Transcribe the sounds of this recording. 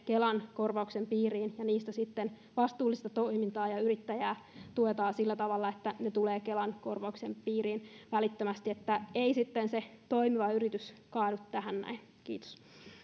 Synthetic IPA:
kelɑnkorʋɑuksempiːriːnjɑniːst̪æsit̪ːen | ʋɑst̪uːlːist̪ɑt̪oimint̪ɑːjɑyɾit̪ːæjæːt̪uet̪ɑːsilːæt̪ɑʋɑlːɑet̪ːænet̪uleːkelɑnko̞rʋɑuksempiːriːnʋælit̪ːømæst̪iet̪ːæeisit̪ːenset̪o̞imiʋɑyrit̪yskɑːdut̪tæhænnæ̰in | kiːt̪o̥s

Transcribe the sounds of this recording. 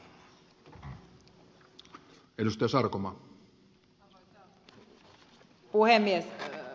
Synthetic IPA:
edust̪ɑjɑsɑrkomɑː | puhemːies

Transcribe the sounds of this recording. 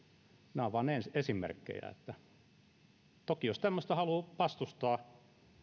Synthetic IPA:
næʋɑnensesimḛrkːḛjæ̰ḛt̪ːæ | t̪okijost̪æmːøst̪ɑhɑlupɑst̪ust̪ɑː

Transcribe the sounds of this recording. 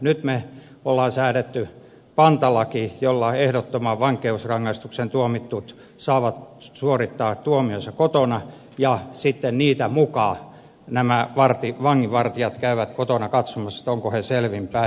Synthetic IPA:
nyt̪me | olːɑːnsæːɾet̪ːy | pɑnt̪ɑlɑkijolːɑehdot̪ːomɑʋɑŋkeusrɑŋːɑst̪uksent̪uomit̪ːut̪ | sɑːʋɑt̪suorit̪ːɑːt̪uomiosɑkot̪onɑ | jɑsit̪ːenniːt̪æmukɑː | næmæʋɑrt̪iʋɑŋːiʋɑrt̪iɑt̪kæyʋæt̪kot̪onɑkɑt̪somɑssi̥t̪oŋkoheselʋimpæ

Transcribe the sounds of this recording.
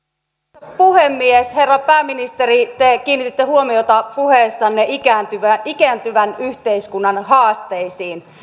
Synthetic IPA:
puhemːiesherːɑpæːminist̪erit̪ekiːnːit̪it̪ːehuomiot̪ɑpuheːsːɑnːeikænt̪yʋæikænt̪yʋænyht̪eiskunːɑnhɑːst̪eisiːn

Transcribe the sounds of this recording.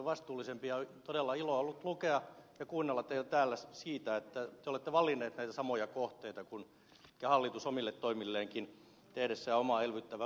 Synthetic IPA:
ʋɑst̪uːlːˑisempiɑt̪odelːɑiloolːut̪lukeɑjɑkuːnːelːɑt̪ːeilt̪æːlːæssiːt̪æet̪ːæt̪eolet̪ːeʋɑlːˑinːˑeːt̪næit̪æsɑmojɑkoht̪eit̪ɑkun | kehɑlːit̪usomilːet̪t̪ːoimilːeːŋkin | t̪ehɾesːæɑomɑelʋyt̪ːæʋæ

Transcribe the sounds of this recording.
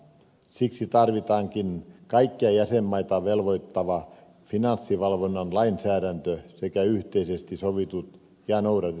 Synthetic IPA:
siksit̪ɑrʋit̪ɑːŋkinkɑikːiɑjæsemːɑit̪ɑʋelʋoit̪ːɑʋɑ | finɑnsːiʋɑlʋonːɑnlɑinsæːɾænt̪øsekæyht̪eisest̪isoʋit̪ut̪ | jɑnouɾɑt̪e

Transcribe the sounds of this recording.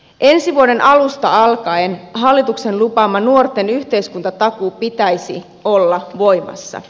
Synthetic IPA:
ʔe̞nsiʋuode̞nʔɑlust̪ɑɑlkɑenɦɑlːit̪ukse̞nlupɑmːɑnuort̪ːe̞nyçt̪e̞jskunt̪ɑt̪ɑkupit̪æjsḭ | o̞lːɑʋo̞jmɑ̰sːɑ̰

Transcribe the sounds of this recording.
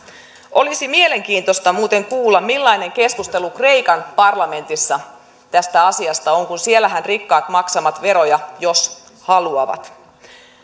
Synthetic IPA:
ʔo̞lisimie̞le̞ŋkiːnt̪o̞st̪ɑmuːt̪e̞ŋkuːlːɑmmilːɑine̞ŋke̞skust̪e̞lukre̞jkɑnpɑrlɑme̞nt̪isːɑ | t̪æst̪æɑsiɑst̪ɑo̞ŋkunsielːæɦænrikːɑːt̪mɑksɑmɑt̪ʋe̞ɾo̞jɑjo̞s | hɑluɑʋɑ̰t̪

